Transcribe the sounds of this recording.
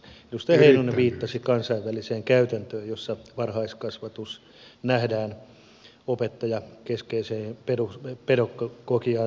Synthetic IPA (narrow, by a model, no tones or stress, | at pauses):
inust̪æheinunːeʋiːt̪ːɑsikɑnsɑiʋʋæliseːŋkæyt̪ænt̪øːjjosːɑʋɑrhɑiskɑsʋɑt̪us | næhdæːn | opet̪ːɑjɑkeskeiseːpeɾuspeɾokːɑkokiɑː